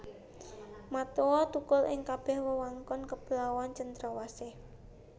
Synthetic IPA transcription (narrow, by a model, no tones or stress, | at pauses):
mat̪owɔt̪ukʊlʔɪ̰ŋkab̥ɛhwəwaŋkɔnkəb̥əlawant͡ʃənt̪ɾawasɪh